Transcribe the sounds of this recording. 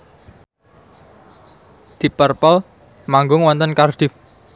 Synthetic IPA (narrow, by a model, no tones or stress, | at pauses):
d̪̥i̤pərpəl | maŋɡʊŋwɔnt̪ənkard̪̥if